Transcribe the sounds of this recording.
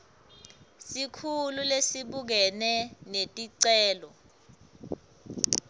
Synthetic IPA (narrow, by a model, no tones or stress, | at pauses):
sikʰululesiɓuk̬ɛnɛnetʼiǀɛːlɔ